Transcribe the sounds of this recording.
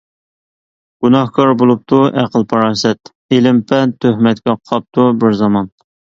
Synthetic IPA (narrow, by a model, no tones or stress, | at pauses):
ɡ̥unɑhkʰɑɾbolˠup̚t̪ʰuʔæqəlˠpʰɑɾɑːsɛt̪ | elɪmpʰɛnt̪ʰːøhmɛt̪kʲɛqʰɑp̚t̪ʰubɪɾzɑmɑn